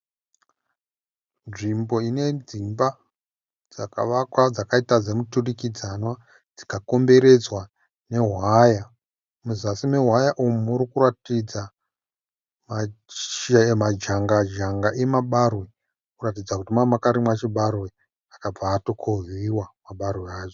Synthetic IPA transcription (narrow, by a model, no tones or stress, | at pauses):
nʐimbo̞ine̞d͡zimba | d͡zaka̰ʋakwad͡zakaitad͡zemuturikid͡zanwa | d͡zikako̞mbe̞ɾe̞d͡zwa | ne̞ɦwaja | muzasimeɦwajaʔumuuɾikuratid͡za | ma | mad͡ʒaŋɡad͡ʒaŋɡaʔe̞maɓarwe | kuratid͡zakutimamakaɾimwat͡ʃiɓarwe | akab͡vaːtokʰoɦiwamaɓarweaːʐo